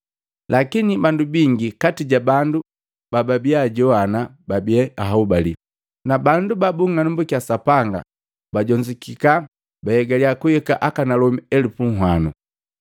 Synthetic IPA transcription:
lʔakinibandubiŋɡikatiɟabandu | bababiaɟɔanababiɛaɦaubalḭ | nabandubabuŋanumbukiasapaŋɡa̰ | baɟɔɲd͡ʒikika | bahɛɡaliakuɛkaʔakanalɔmiɛlupuŋ̩ɦwanu

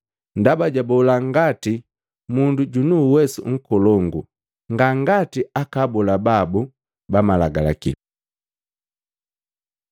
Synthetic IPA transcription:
ndabaɟabɔlaŋɡati | munduɟunuːwɛsṵŋ̩kɔlɔŋɡu | ŋɡaŋɡatiakabɔlababu | bamalaɡala̰kḭ

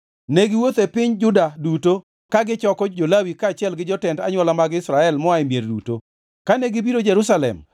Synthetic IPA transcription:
neɡɪwot̪epɪɲd͡ʒʊdaduto | kaɡɪt͡ʃɔkɔd͡ʒolawikaːt͡ʃɪɛlɡɪd͡ʒɔtɛnda̰ɲwɔlamaɡɪsɾaɛlmɔaɪmjerdṵto̰ | kaneɡɪbiɾod͡ʒeɾusalɛ̰m

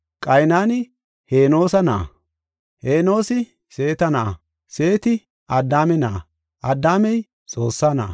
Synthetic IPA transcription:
kʼɐjnaːnɪ | heːno̞ːsɐnɐ̰ | heːno̞ːsɪ | se̞ːt̪ɐnɐʔɐ̰ | se̞ːt̪ɪ | ʔɐd̪ːaːmɛna | ʔɐd̪ːaːmɛj | t͡sʼo̞ːsːaːnɐ̰ː

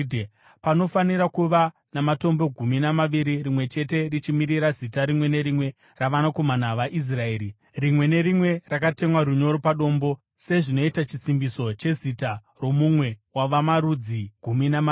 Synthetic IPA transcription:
pano̞faniɾakuʋa | namato̞mbo̞ɡʱuminamaʋiɾirimwe̞t͡ʃe̞te̞rit͡ʃimiɾiɾazitaɾimwe̞ne̞ɾimwe̞ | raʋanako̞manaʋaʔis̬raeːɾi | rimwe̞ne̞ɾimwe̞rakate̞mwaɾuɲo̞ɾo̞paɗo̞ːmbo̞ | se̞ʐino̞itat͡ʃisimbiso̞t͡ʃe̞zita | ro̞mumwe̞waʋamaɾud͡ziɡ̥ʱuminama

